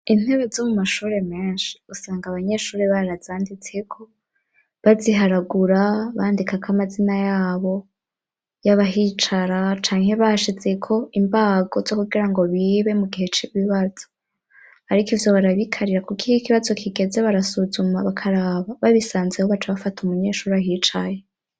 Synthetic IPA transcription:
in̥e̞βe̞zomumaʃuːɾe̞meːnʃi̥usaːŋɡaβaɲe̞ʃuːɾeβaɾazaːndit͡se̞kʰo̞ | βaziɦaɾaɡuɾaβaːndikakʰamazinajaːβo̞ | jaβaɦit͡ʃaɾat͡ʃaːŋhe̞βahaʃize̞kʰo̞imbaːɡo̞zo̞kuɡiɾaŋɡo̞βiːβe̞muɡihe̞t͡ʃiβiβaz̥o | haɾikivjo̞βaɾaβikʰaɾiɾakukiikiβazo̞kʰiɡe̞ze̞βaɾasuzumaβakʰaɾaːβaβaβisaːnzehoβat͡ʃaβafatumuɲe̞ʃuːɾiaɦit͡ʃaje

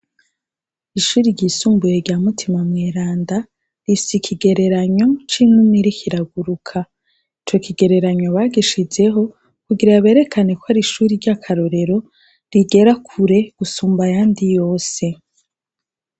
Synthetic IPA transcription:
iʃuːɾiɾɟiːsuːmbujeɾɟaːmutʰimamŋeɾaːnda | ɾifi̥sikʰiɡe̞ɾe̞ɾaɲo̞t͡ʃiːnumiɾikʰiɾaɡuɾukʰa | it͡ʃo̞kiɡe̞ɾe̞ɾaɲo̞βaːɡiʃid͡ʒe̞ɦo̞ | kuɡiɾajaβe̞ɾe̞kʰane̞kohaɾiʃuːɾiɾɟakʰaɾo̞ɾe̞ɾo̞ | ɾiɡe̞ɾakʰuɾe̞ɡ̥usuːmbajaːndijo̞ːse̞

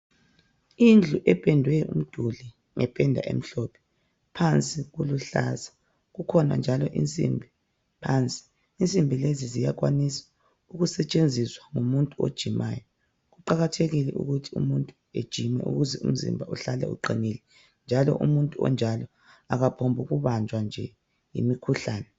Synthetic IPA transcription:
ind͡ɮʱuʔɛpʰʼɛndʱwɛṵm̩d̥ʱuli | ŋʔɛpʰʼɛndʱa̰ʔḛm̩ɬɔpʰɛ̥ | pʰant͡sʼiɣuluɬa̰zḁ | ɣukʰɔna̰nd͡ʒʱalɔʔint͡sʼḭmbʱi | pʰant͡sʼi̥ | int͡sʼimbʱilezizijaɣwanisḁ | uɣusɛt͡ʃʼend͡zʱiswaŋumuntʼuo̰d̥ʒ̥ʱima̰ːjɔ | ɣuǃaɣatʰeɣilɛʔṵɣutʰiṵmuntʼu | ed̥ʒ̥ʱimɛ̰ʔṵɣuzɛṵm̩zḭmbʱauɬalɛ̰ṵǃinilɛ | nd͡ʒʱalɔ̰ʔṵmuntʼuɔ̰nd͡ʒʱalɔ | aɣapʰombʱuɣuβand͡ʒʱwand͡ʒʱɛ | jḭmikʰuɬaːnɛ

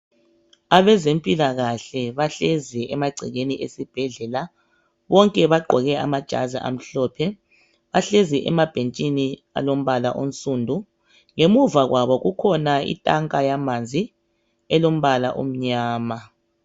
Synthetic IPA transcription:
aβɛzempʼilaɣaɬɛβaɬeziʔɛmaɡ͡ǀʱiɣeniʔesib̥ʱɛɮɛla | βɔŋkʼɛβaɡ͡ǃʱɔɣɛamad̥ʒ̥ʱa̰zḭʔa̰m̩ɬɔːpʰɛ | βaɬeziʔɛmab̥ʱent͡ʃʼini | a̰lom̩βala̰ʔom̩sʼuːndʱu | ŋemuvaɣwaβɔɣukʰɔnaḭtʼaŋkʼajamand͡zʱi | ɛlom̩βala̰ʔo̰m̩ɲaːma

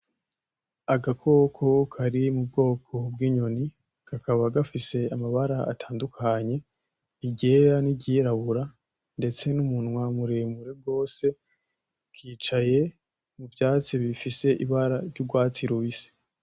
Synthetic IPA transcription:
aɡakʰo̞kʰo̞kʰaɾimub̚ɡo̞ːkʰo̞bɡiːɲo̞ni | kakaβaɡafise̞amaβaɾaa̰tʰaːndukʰaɲe̞ | iɟeɾaniɟiɾaβuɾa | nde̞t͡se̞numunŋwamuɾemuɾe̞b̚ɡo̞ːse̞ | kʰiːt͡ʃaje̞ | muvjaːt͡siβifise̞ʔiβaɾaɾɟuɡwaːt͡siɾuβisi̥

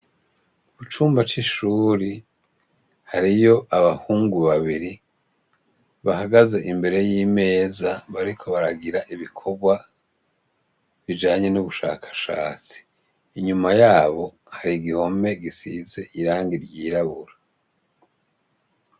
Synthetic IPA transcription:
uβut͡ʃuːmbat͡ʃiʃuːɾi | haɾijo̞ʔaβahuːŋɡuβaβiɾi | βahaɡazeʔimbe̞ɾe̞jiːme̞ːzaβaɾikʰo̞βaɾaɡiɾaʔiβikʰo̞ɡwa | βid͡ʒaːɲe̞nuβuʃa̰ːkʰḁʃaːt͡si̥ː | ɲumajaːβo̞ | haɾiɡiho̞me̞ɡisize̞ʔiɾaːŋɡiɾɟiːɾaβuɾa

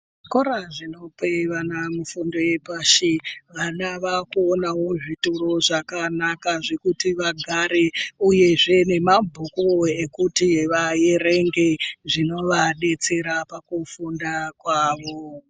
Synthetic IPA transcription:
koɾaʐino̞peʋanamufundo̞je̞paʃiʋanaʋakuonawoʐituroʐakanakaʐe̞kutiʋaɡʱaɾeuje̞ʐe̞ne̞mabʱukoe̞kutiʋaje̞ɾeŋɡe̞ʐino̞ʋaɗe̞t͡se̞ɾapakufundakwaːʋo̞

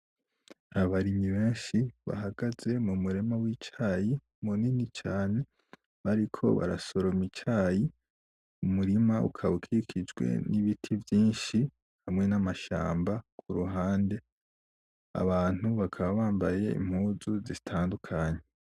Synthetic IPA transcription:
aβaɾiɲiβe̞ːnʃiβa̰haɡaz̥e̞mumuɾemawit͡ʃaːji | muninit͡ʃaːne̞ | βaɾikʰo̞̰βa̰ɾa̰so̞ɾomit͡ʃaːji | umuɾimaṵkʰaβukʰikʰid͡ʒwe̞̰niβitʰivjiːnʃi | hamŋe̞namaʃa̰ːmbakʰuɾuɦaːnde̞ | a̰βaːn̥huβakʰaβaβaːmbaje̞ḭm̥huːzuzitʰaːndukʰaɲe

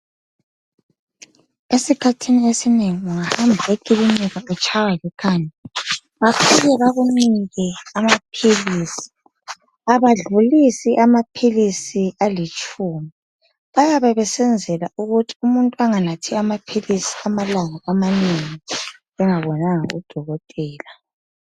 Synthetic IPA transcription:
esikʰatʰiniesineŋiuŋahambʱaekʼiliniɣaɛt͡ʃʼʰawaɣɛkʰaɲɛ | βapʰijɛβaɣuniŋkɛamapʰiliːsi̥ | aβaɮulisiʔamapʰilisialit͡ʃʼuːmi | βajaβɛβɛsɛnd͡zʱɛlauɣutʰi̥umuntʼuaŋanatʰiamapʰilisi̥amalaŋaamaneŋi | ɛŋaβɔnaŋa̰ṵd̥ʱɔɣɔtʼɛːla

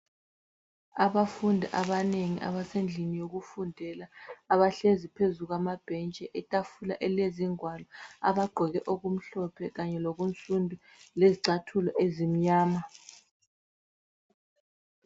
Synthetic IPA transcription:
aβafundʱaʔaβaneŋiʔa̰βasend͡ɮʱinijoɣufundʱɛlaːβaɬezipʰezuɣwamab̥ʱɛnt͡ʃʼɛʔɛtʼafula̰ʔɛleziŋwalɔaβaɡ͡ǃʱɔɣɛʔoɣum̩ɬɔpʰɛɣaɲɛloɣunt͡sʼundʱu | leziǀatʰulɔʔezim̩ɲaːma

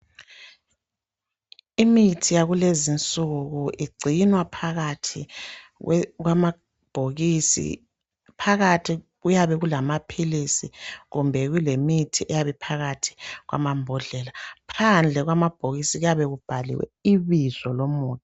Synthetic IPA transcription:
imitʰijaɣulezint͡sʼuɣuʔiɡ͡ǀʱinwapʰaɣatʰi | ɣwama | b̥ʱoɣisḭ | pʰaɣatʰi | ɣujaβɛɣulamapʰilisḭɣumbʱɛɣulemitʰiʔɛjaβɛpʰaɣatʰi̥ɣwʔa̰mambʱɔɮɛlapʰand͡ɮʱɛɣwamab̥ʱoɣisiɣujaβɛɣub̥ʱalḭwɛ̰iβiz̥ɔlomuːta

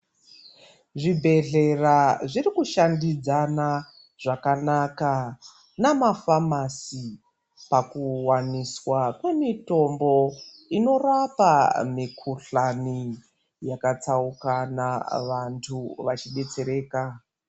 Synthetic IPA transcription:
ʐibʱe̞ɮe̞raʐirikuʃandid͡zana | ʐ̥akanaka | namafamasi | pakuwaniswakwe̞mito̞mbo̞ | ino̞rapamikʰuɬani | jakat͡saukanaʋantʰuʋat͡ʃiɓe̞t͡se̞ɾe̞ːka

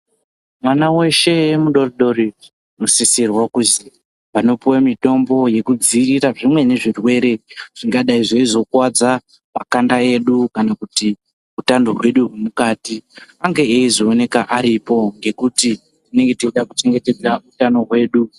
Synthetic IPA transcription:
mwanawe̞ʃe̞muɗo̞riɗo̞ɾi | no̞sisirwakuzi | ʋano̞puwamito̞mbo̞je̞kud͡ziriraʐimwe̞ne̞ʐirwe̞ɾe̞ʐ̥iŋɡaɗaiʐaizo̞kwad͡za | makandae̞ɗukanakuti | utandoɦwe̞ɗuɦwemukaːtiaŋɡe̞eiʐoːne̞kaʔaɾipo̞ŋɡe̞kuti | tine̞ŋɡe̞tit͡ʃiɗakut͡ʃe̞ŋɡe̞te̞d͡zautano̞ɦwe̞ːɗu

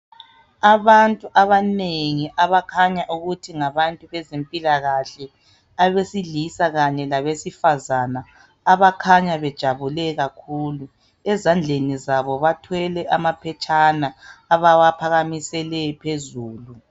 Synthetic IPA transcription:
aβantʼuʔaβaneŋiʔaβakʰaɲaʔuɣutʰiŋaβantʼuβɛzempʼilaɣaɬɛ | aβesiɮisaɣaɲɛlaβesifazanaː | βakʰaɲaβɛd̥ʒ̥ʱaβulɛɣakʰuːlu | ɛzand͡ɮʱenizaβɔβatʰwɛlɛʔamapʰɛt͡ʃʼʰanaːβawapʰaɣamisɛlɛpʰezuːlu

